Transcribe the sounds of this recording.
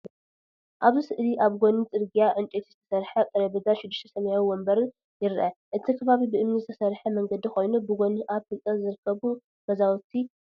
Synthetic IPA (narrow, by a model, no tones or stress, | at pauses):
ʔaβzisɨʔliʔaβɡonit͡sʼɨɾɡijaʕɨnt͡ʃʼet̪ʰiz̥ɨt̪ʰɐ̥sɐɾħɐkʼɨɾɐβɨd̪aʃɪd̪ːɨʃt̪ʰɐsɐmjawiwombɐɾ | jɪɾʔɐʔɨt̪ʰikʰɐβaβibɨʔɨmnizɨt̪ʰɐsɐɾħɐmɐŋɡɐd̪ixo̞jnubɨɡoniʔaβfɨlt͡s̪ʼɐzɨɾɨkʰːɐβu | mɐzawut̪ʰi